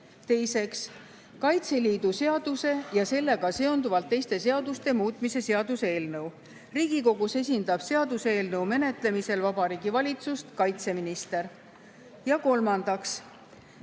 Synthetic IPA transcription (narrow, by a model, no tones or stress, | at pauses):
t̪e̞jse̞ks | kɑjt̪se̞liːd̪̥use̞ɑd̪̥use̞jɑse̞lːe̞ɡ̥ɑse̞o̞nd̪uvɑlt̪ːe̞jst̪e̞se̞ɑd̪ust̪e̞muːt̪ˑmise̞se̞ɑd̪̥usee̞ːlnɤw | riːɡ̥iko̞ɡ̥use̞s̬ʲind̪ɑb̥se̞ɑd̪useeːlnɤwme̞ne̞t̪ˑle̞mise̞lvɑb̥ɑɾiːɡ̥ivɑlʲit̪sust̪kɑjt̪se̞minist̪e̞ɾ | jɑko̞lmɑnd̪̥ɑks